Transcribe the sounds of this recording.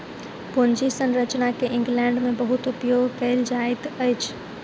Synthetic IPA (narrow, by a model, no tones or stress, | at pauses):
pʊnd͡ʒisənɾət͡ʃnakeʔɪ̃ŋɡlɛ̃ɳɖmẽbəɦʊt̪ʊpjoɡʱkəɪld͡ʒaet̪əjt͡ʃʰ